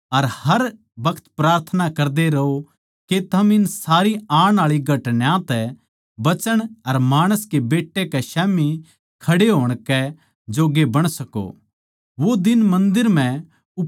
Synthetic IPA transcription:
ɐɾhɐɾ | bɐkʰə̥t̪pɾaːɾt̪ʰənakɐɾd̪eɾɐɦo | ket̪ʰɐmɪnsaːɾiaːɽ̃aːɭiɡʱɐʈnjãt̪ɛ | bɐt͡ʃəɽ̃ɐɾmaːɽ̃əskebeːʈːekɛʃɛːmi | kʰɐɽeɦoːɽ̃kɛ | d͡ʒoːɡebɐɽ̃sɐko̰ | ʋod̪ɪnmɐ̃nd̪ɪɾm̤ɛ̃ | ʊ

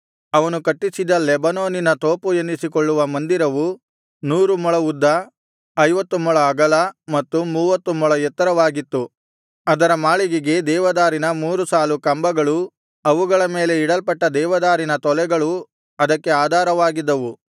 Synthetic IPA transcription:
ɐʋɐnukɐʈːisid̪ɐlːebɐnoːninɐt̪oːpue̞nd̪isikoɭːuʋɐmɐnd̪iɾɐʋu | nuːɾumɔɭɐud̪ːɐ | ɐjʋɐt̪ːumɔɭɐːɡɐlɐmɐt̪ːumuːʋɐt̪ːumɔɭɐjɛt̪ːɐɾɐʋaːɡit̪ːu | ɐd̪ɐɾɐmaːɭiɡiɡe̞d̪ɛːʋɐd̪aːɾinɐmuːɾusaːlukɐmbɐɡɐɭu | ɐʋuɡɐɭɐme̞ːle̞iɽɐlpɐʈːɐd̪ɛːʋɐd̪aːɾinɐt̪ɔlɛɡɐɭu | ɐd̪ɐkːe̞aːd̪ʱaːɾɐʋaːɡid̪ːɐʋu

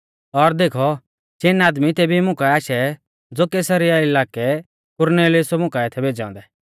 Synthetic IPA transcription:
ɔɾd̪eːkʰɔ | ʃɪnaːd̪mit̪eːbʱimʊ̃kaaːʃɛ | d͡zoːkeːsɐɾiaɪlaːkɛ | kʊɾneːlɪʊsɔmʊ̃kaɪt̪ʰɛbʱeːd͡ʒã̰ːnd̪ɛ

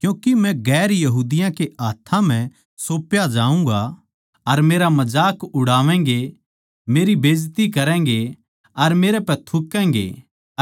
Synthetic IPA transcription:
kjũːkimɛ̃ɡɛːɾjɐɦuːd̪ɪjãkeʔaːt̪ʰːãm̤ɛ̃ | soːpjad͡ʒaːũːŋɡa | ɐɾmeːɾamɐd͡ʒaːkʊɽaːʋɛ̃ːɡe | meːɾibeːd͡ʒt̪ikɐɾɛ̃ːŋɡe | ɐɾmeːɾepɛt̪ʰʊkːɛ̃ːŋɡḛ

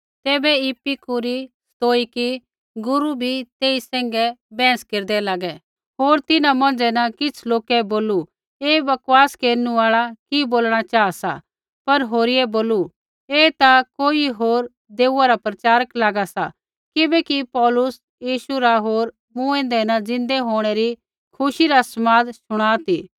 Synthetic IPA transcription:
t̪ɛːbɛɪpːikuɾist̪oːiki | ɡʊɾubʱit̪eːisɛ̃ːŋ̆ɡɛbɛ̃ːskeːɾd̪ɛlaːɡɛ | ɦoːɾt̪ɪnãmɐ̃nd͡ʒɛnɐ̃kɪt͡sʰloːkɛboːlu | eːbɐkwaːskeːɾnuaːɭakiboːlɽ̃at͡ʃaːasa̰ | pɐɾɦoːɾiɛboːlu | eːt̪akoːiɦoːɾ | d̪eːuaɾapɾɐt͡ʃaːɾəklaːɡasa | kɪbɛkipɔːlʊs | jiːʃuɾaɦoːɾ | mũɛ̃ːnd̪ɛnɐd͡zɪ̃nd̪ɛɦoːɽ̃ɛɾi | kʰʊʃiɾasmaːd̪ʃʊɽ̃aːt̪iː

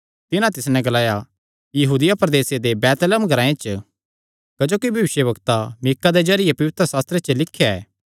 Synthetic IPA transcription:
t̪ɪnãt̪ɪsnɛ̃ɡɐlaːja | jɐɦuːd̪ɪjapɾɐd̪eːsed̪ebɛːt̪ləmɡʱɐɾãːẽt͡ʃə | kɐd͡ʒoːkibʱɐʋɪʃjəbɐkt̪amɪkːad̪ed͡ʒɐɾɪjepɐʋɪt̪ʰɾəsaːst̪ɾet͡ʃəlɪkʰjaɛː

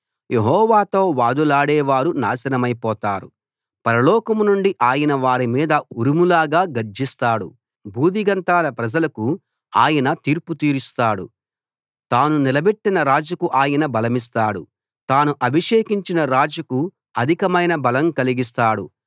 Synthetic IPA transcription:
je̞ɦɔːʋaːt̪o̞ːʋaːd̪ulaːɽɛːʋaːɾuna̰ːsɐnɐmɐjpɔːt̪aːɾṵ | pɐɾɐlɔːkɐmnuɳɖiʔaːjɐnɐʋaːɾimiːd̪ɐuɾumulaːɡaːɡɐɾd͡ʒist̪aːɽṵ | bʱuːd̪iɡɐnt̪aːlɐpɾɐd͡ʒɐlɐku | aːjɐnɐt̪iːɾput̪iːɾist̪aːɽṵ | t̪aːnunilɐbeʈːinɐɾaːd͡ʒɐkuʔaːjɐnɐbɐlɐmis̬t̪aːɽṵ | t̪aːnuʔɐbʱiʂeːkiɲt͡ʃinɐɾaːd͡ʒɐku | ɐd̪ʱikɐmɐjnɐbɐlɐmkɐliɡis̬t̪aːɽṵ

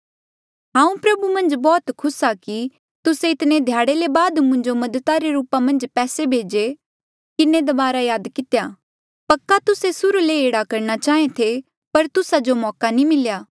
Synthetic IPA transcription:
ɦãːũpɾɐbumɐ̃nd͡ʒbɔːt̪kʰʊsaki | t̪ʊseɪt̪ned̪ʱjaːɽelebaːd̪mʊ̃ɲd͡ʒomɐd̪ət̪aɾeɾuːpamɐ̃nd͡ʒpɛːsebʱeːd͡ʒe | kɪned̪ɐbaːɾajaːd̪kɪt̪eja | pɐkːat̪ʊsesʊɾleeːɽakɐɾñat͡ʃaːẽt̪ʰe | pɐɾt̪ʊsad͡ʒomɔːkanĩmɪljaː

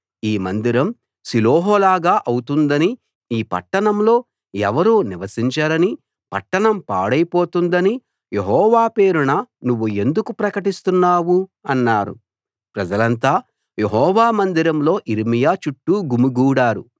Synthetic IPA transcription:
iːmɐnd̪iɾɐm | siloːɦɔːlaːɡaːʔɐwut̪und̪ɐni | iːpɐ̰ʈːɐɳɐmlo̞ː | ɛʋɐɾuːniʋɐsiɲt͡ʃaːɾɐni | pɐ̰ʈːɐɳɐmpa̰ːɽɐjpoːt̪und̪ɐni | je̞ɦɔːʋaːpe̞ːɾuɳɐnuʋːue̞nd̪ukupɾɐkɐʈist̪unːaːwuɐnːaːɾṵ | pɾɐd͡ʒɐlɐnt̪aː | jeɦɔːʋaːmɐnd̪iɾɐmlo̞ːʔiɾmijaːt͡ʃuʈːuɡumuɡuːɽaːɾṵ

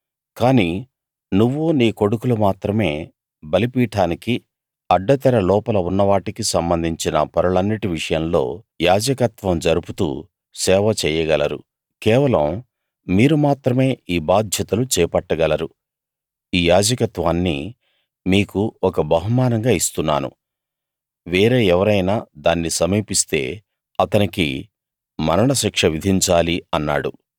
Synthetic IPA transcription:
kaːniː | nuʋːuniːko̞ɽukulumaːt̪ɾɐme̞ː | bɐlipiːʈaːniki | ɐɖːɐt̪ɛɾɐlɔːpɐlɐunːɐʋaːʈikisɐmbɐnd̪ʱiɲt͡ʃinɐ̰pɐɾɐɭɐnːiʈiʋiʂɐjɐmlo̞̰ː | jaːd͡ʒɐkɐt̪ʋɐmd͡ʒɐɾuput̪ṵː | sɛːʋɐt͡ʃɛːjɐɡɐlɐɾṵ | kɛːʋɐlɐmː | iːɾumaːt̪ɾɐme̞ːiːbaːd̪ʱjɐt̪ɐlut͡ʃɛːpɐʈːɐɡɐlɐɾu | iːjaːd͡ʒɐkɐt̪ʋaːnːḭ | miːkuɔkɐbɐɦumaːnɐŋɡaːist̪unːa̰ːnṵ | ʋeːɾe̞ːɛʋɐɾɐjnaːd̪aːnːisɐmiːpist̪e̞̰ː | ɐt̪ɐnikḭ | mɐɾɐɳɐʃikʂɐʋid̪ʱiɲt͡ʃaːliɐnːa̰ːɽu

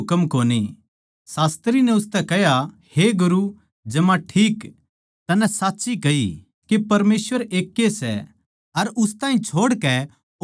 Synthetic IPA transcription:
kəmkoːni | saːst̪ɾinɛʊst̪ɛkɛɦja | heɡʊɾu | d͡ʒɐmãʈʰiːk | t̪ɐnɛ̃saːtːsikɐḭ | kepɐɾmeːsʋəɾeːkːesɛ̰ | ɐɾʊst̪ãːĩt͡ʃʰoːɽkɛ

